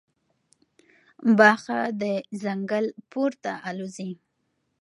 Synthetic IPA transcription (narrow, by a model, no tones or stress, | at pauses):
bɑxad̪əzaŋɡəlpoɾt̪aʔalozi